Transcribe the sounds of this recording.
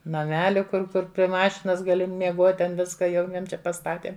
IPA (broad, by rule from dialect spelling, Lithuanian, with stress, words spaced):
nɐˈmʲæːlʲɪ kʊr ˈkʊr pʲrʲɪ ˈmɑːʃʲɪnɐs ɡɐˈlʲɪ mʲiɛˈɡuɔtʲ tʲɛn ˈʋʲɪskɐ jɛʊ ˈjiɛm ˈt͡ʃʲɛ pɐˈstɑːtʲeːm